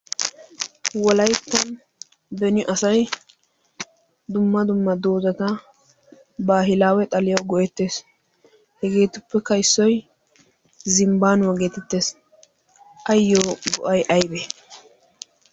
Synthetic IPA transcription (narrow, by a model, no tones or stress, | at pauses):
wɔlɐjt̪ːɐn | b̪ɛnɔʔɐsɐj | d̪ʊmːɐd̪ʊmːɐd̪oːzɐt̪ɐ | baːɦɪlaːwɛt̪ʼɐlɪjɐwɡɔʔɛt̪ːe̞ːs | hɛɡe̞ːt̪ʊpːɛkɐjsːɔj | zɪmbaːnwɐɡeːt̪ɛt̪ːe̞ːs | ʔɐjːoɡɔʔɐjʔɐjbeː